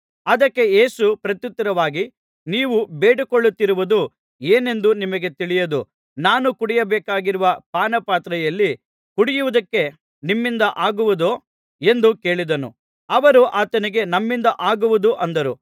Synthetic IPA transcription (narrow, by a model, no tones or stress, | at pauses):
ɐd̪ɐkːe̞je̞ːsupɾɐt̪jut̪ːɐɾɐʋaːɡi | niːʋubeːɽikoɭːut̪ːiɾuʋud̪u | eːne̞nd̪unimɐɡe̞t̪iɭijɐd̪u | naːnukuɽijɐbɛːkaːɡiɾuʋɐpaːnɐpaːt̪ɾɐjɐlːi | kuɽijuʋud̪ɐkːe̞ | nimːind̪ɐʔaːɡuʋud̪o | e̞nd̪uke̞ːɭid̪ɐnṵ | ɐʋɐɾuʔaːt̪ɐniɡe̞nɐmːind̪ɐʔaːɡuʋud̪uʔɐnd̪ɐɾu